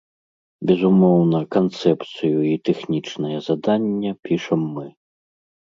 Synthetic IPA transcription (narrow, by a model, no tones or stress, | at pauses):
bʲɛzumɔwnɐkant̪sɛpt̪sɨjuit̪ɛxnʲit͡ʂnɐjɐzad̪anʲːɐpʲiʂɐmːɨ